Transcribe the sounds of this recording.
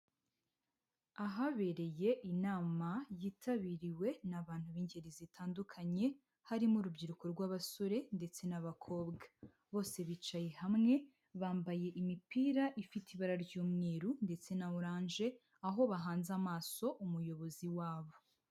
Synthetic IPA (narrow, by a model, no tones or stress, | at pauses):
aɦaβe̞ɾe̞je̞ʔinaːmajiːtʰaβiɾiwe̞naβaːn̥huβiːɲɟeɾizitʰaːndukʰaɲe̞ | haɾimuɾubɟiɾuko̞ɾɡwaːβaso̞ɾe̞nde̞t͡se̞naβakʰo̞ːbɡa | βo̞ːse̞βit͡ʃajehamŋe̞ | βaːmbaje̞ʔimipiːɾaʔifitʰiβaɾaɾɟuːmŋiːɾunde̞t͡se̞nauɾaːnʒe̞ | aɦo̞βaɦaːnzamaːso̞ʔumujo̞βo̞ziwaːβo̞